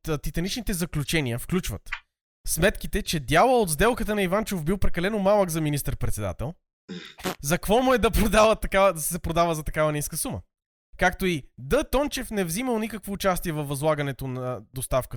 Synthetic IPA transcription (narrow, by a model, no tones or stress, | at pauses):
t̪it̪ɐnit͡ʃnit̪ɛzɐklʲut͡ʃɛniəfklʲut͡ʃvɐ̰t̪ | smɛt̪k̟it̪ɛt͡ʃɛd̪ʲjalˠəod̪zd̪ɛlˠkət̪ənɐivant͡ʃofbilˠpɾɛkɐlɛnomalˠəkzɐminist̪əɾpɾɛt̪sɛd̪a̰t̪ɛlˠ | zɐkvɔmuɛd̪ɐpɾod̪avət̪ːɐkavəd̪ɐsɛpɾod̪avəzɐt̪ɐkavɐniskəsumə̰ | kakt̪oid̪ət̪ɔnt͡ʃɛfnɛvziməlˠnikəkvoːt͡ʃast̪iɛvɐfvːɐzlˠaɡɐnɛt̪onɐd̪ost̪afkə